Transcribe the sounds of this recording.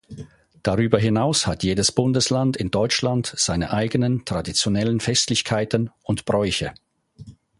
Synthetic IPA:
d̥aʁyːbɐɦɪnaʊshatjeːdəsb̥ʊndəslandɪndɔʏt͡ʃlandz̥aɪnə̰ʔaɪɡənəntʁ̥adit͡sjonɛlənfɛstlɪçkʰaɪtənʊntb̥ʁɔʏçə

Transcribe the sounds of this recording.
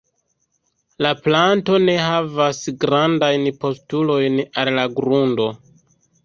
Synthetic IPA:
laplanto̞ne̞ɦavasɡɾandajnpo̞stulo̞jnallaɡɾundo̞

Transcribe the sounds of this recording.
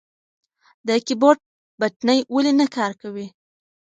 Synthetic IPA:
d̪əkibɑʈ̚ | baʈnəjwalinakɑɾkawi

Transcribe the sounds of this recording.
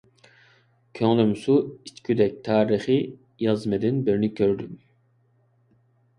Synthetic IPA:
kʲʰøŋlymsuit͡ʃkʲʰyd̪ɛk̚ʲt̪ʰɑːɾiχi | jɑzmɛd̪ɪnbɪɾnɪkʲʰøɾd̪ym

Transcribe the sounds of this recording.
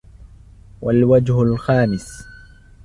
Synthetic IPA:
walwad͡ʒhʊlxaːmɪs

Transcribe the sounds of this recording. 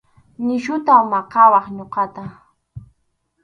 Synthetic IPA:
nɪʃʊt̪awmaqɑwɑχɲoqɑt̪a

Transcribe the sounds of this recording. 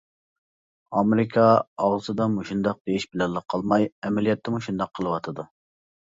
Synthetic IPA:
ɑmeɾɪkʰɑɑʁzɨd̪ɑmuʃund̪ɑq̚d̪ejiʃbɪlɛnlːəqʰɑlˠmɑjɛmɛlijɛt̪ʰːɪmuʃund̪ɑqʰːəlˠɨwɑt̪ʰɨd̪u

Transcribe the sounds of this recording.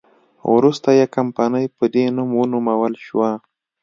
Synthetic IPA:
wɾust̪ajakampɑnəjpəd̪enumunumawəlʃwa

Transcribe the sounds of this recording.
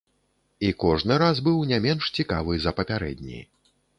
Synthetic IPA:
ikɔʐnɨɾazbɨwnʲamʲɛnʂt͡sʲikavɨzɐpɐpʲaɾɛ̰d̪ʲnʲḭ

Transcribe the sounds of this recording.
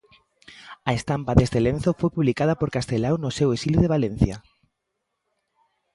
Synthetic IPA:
aest̪ampaðest̪elẽnθofojpuβlikað̞apoɾkast̪elawnosewesiluðeβ̞alẽn̟θja

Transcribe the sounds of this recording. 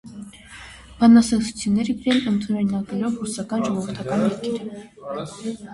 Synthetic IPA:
b̥ɑnɑsɛsu̥t͡sʰjunːɛɾəɡɾɛlənt̪ʰunɛɾinɑɛlɔvrusɑkɑnʒɔʁɔvəɾt̪ʰɑkɑnjɛɾkʰɛɾə

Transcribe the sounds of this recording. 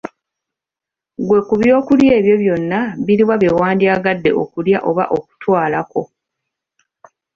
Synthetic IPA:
ɡwe̞kuβjo̞ːkulje̞ːβjo̞βjo̞nːaβiɾiwaβjewaːndiaːɡadːe̞̰ʔo̞̰kuljaʔo̞βa̰ʔo̞ku̥twaːlako̞

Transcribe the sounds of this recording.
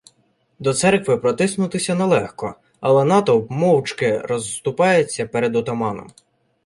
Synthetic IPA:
d̪ɔt̪sɛrkʋɪpɾɔt̪ɪsnʊt̪ɪsʲɐnɛlˠɛxkɔ | ɐlˠɛnɑt̪ɔbmɔwt͡ʃkɪɾɔzːt̪ʊpɑjet͡sʲːɐpɛɾed̪ɔt̪ɔmɑnɔ̰m

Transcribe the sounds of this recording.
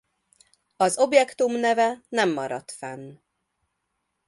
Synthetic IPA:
ɒzo̞bjɛkt̪umnɛvɛnɛmːɒɾɒ̰t̪fɛn

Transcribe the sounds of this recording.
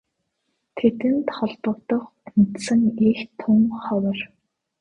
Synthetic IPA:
t̪ʰet̪ɘ̆nt̪χɔɮpə̆kt̪ɞ̆χʊnt̪sə̆ŋext̪ʰʊŋχɔwə̆r

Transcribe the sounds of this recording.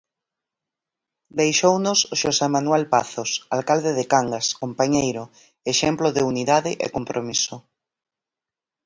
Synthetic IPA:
d̪ejʃownosʃosemanwelpaθosalkald̪eðekaŋɡaskompaɲejɾo | eʃɛmploðeuniðaðɪʔḛkompɾʔomiso

